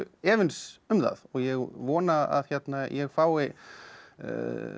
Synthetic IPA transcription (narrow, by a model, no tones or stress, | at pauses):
ɛːvɪnsʏmða̰ðɔɣjɛɣvɔːnaa̰ðçɛt̪najʔɛɣfaːwɪ